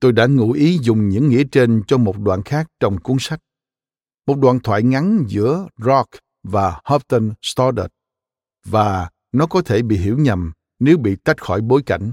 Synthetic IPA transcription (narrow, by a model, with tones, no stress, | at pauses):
t̪o˧jɗa̰ː˧˥ŋṵ˧˥ʔi˨˦zʊ˨˩ŋ͡mɲɨ̰˧˥ŋːḭ˧˥ət͡ɕe˧nt͡ɕɔ˧mo˨˩t̚ɗwa̰ː˧˨nxaː˦˥k̚t͡ɕɔ˧wŋ͡mku˧˦ənsa˦˥jk̚ | mo˨˩t̚ɗwaː˧˨nt̪ʰwa̰ː˧˨jŋa˨˦nzɨ̰˧˥əzɔ˦˥k̚ | vaː˨˩hɔ˦˥p̚t̪ə˧nst̪ɔ˧ɗə̰˨˩t̚ | vaː˨˩ | nɔ˨˦kɔ˨˦t̪ʰe˧˩ɓḭ˧˨ɦḭ˧˩˥wɲa˨˩m | ne˨˦wɓḭ˧˨t̪a˦˥jt̚xɔ˧˩jɓo˨˦jka˧˩jŋ̟